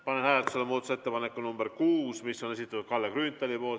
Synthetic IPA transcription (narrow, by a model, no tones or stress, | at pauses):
pɑnenhæːlelt̪u̥selːemoːd̪ɑu̥see̞t̪ːepɑnekːˑunumb̥eɾkuːsmisːo̞ne̞sit̪ːˑɑt̪ːud̪̥̚kɑlːekrynt̪ːˑɑlipo̞ːl